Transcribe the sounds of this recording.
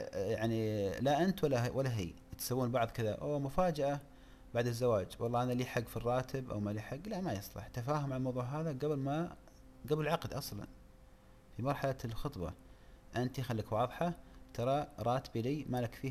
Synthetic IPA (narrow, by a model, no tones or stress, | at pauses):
jaʕnilaʔɪnt̪walːawalːaɦḭː | t̪sawːuːnbɑʕðˤkɪða̰ʔa̰wamʊfaːd͡ʒaʔa | baʕd̪ɪzːawaːd͡ʒwɑlˤːɑːʔanaliːħaɡːfirˤːɑːt̪ʰɪbʔa̰wmaliːħaɡːlaʔmajɑsˤlɑ̰ħt̪afaːɦʊmʕalmɑwðˤuːʕɦaːðaɡablma | ɡablɪlʕɑqd̪ʔɑsˤlɑ̰n | fimɑɾˤħalalxʊt̪ˤbɑ̰ʔɪnt̪ixalːikwɑːðˤħɑt̪ʰɑɾˤɑɾˤɑːt̪biliːmaːlakfiː